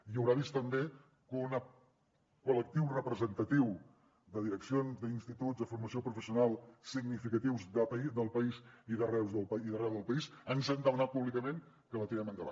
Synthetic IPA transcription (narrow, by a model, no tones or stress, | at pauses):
iəwɾaβist̪əmbe | kunə | kulək̚t̪iwrəpɾəzənt̪ət̪iw | d̪əðiɾəksionzd̪əinst̪it̪uzðəfurməsiopɾufəsiunalˠsiɡnifikət̪iwzðəəid̪əlˠpəiziðərɛwzðəlˠpiðərɛwðəlˠpəisənzand̪əmənat̪̚puβlikəmen | kələt̪iɾɛmənd̪əβa̰